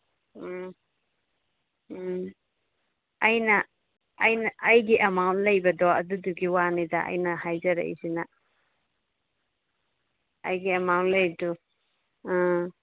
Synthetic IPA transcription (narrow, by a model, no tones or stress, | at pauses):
ɐjnɐː | jnɐʔːjɡiʔɐmawntlɐjbɐdɔɐduduɡiwanidɐɐ̰jnɐhajzɐɾɐ̰ḭsinɐ | ɐ̰jɡiɐmawntlɐjdu